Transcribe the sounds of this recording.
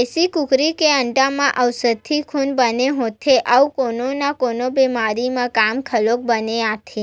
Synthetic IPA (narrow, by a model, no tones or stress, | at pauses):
esikukɾikeəɳʈamãʔəʋsəd̪ʰʱːikʰunbəneɦot̪ʰeʔawkononakonobemaɾimãkamkʰəlok̚bəneat̪ʰe